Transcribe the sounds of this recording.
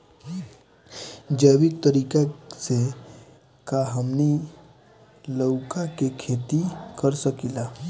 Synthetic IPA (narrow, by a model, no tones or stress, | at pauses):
d͡ʒəwikt̪əɾiːkase | kaɦəmni | ləʊkakekʰeːt̪ikəɾsəkilaː